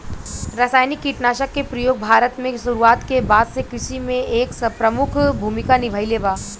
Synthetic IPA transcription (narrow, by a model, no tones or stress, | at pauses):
ɾɐsaːjnɪkːiʈnaːʃəkːepɾɐjoːɡ̚bʱaːɾət̪mẽʃʊɾuaːt̪kebaːd̪sekɪsimẽʔeːkspɾɐmʊkʰbʱuːmɪkanɪbʱəjleːbaː